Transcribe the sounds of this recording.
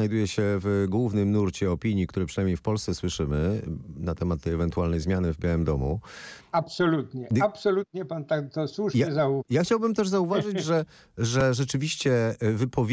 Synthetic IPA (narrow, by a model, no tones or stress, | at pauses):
ajd̪ujɛɕɛvɡwuvnɘmnuɾt͡ɕɛɔpʲiɲikt̪uɾɛpʂɨnajmɲejfpɔlst̪sɛswɘʂɘmɘnat̪ɛmat̪ːɛjɛvɛnt̪ualnɛjzmʲjanɘvbʲjawɘmd̪ɔmṵ | apsɔlut̪ɲɛapsɔlut̪̚ɲɛpant̪at̪ɔswuʂaɛzajaxt͡ɕawbɘmt̪ɛʐzauvaʐɘd͡ʑʐɛ | ʐɛʐɛt͡ʂɘvʲiɕt͡ɕɛvɘpʰɔvʲ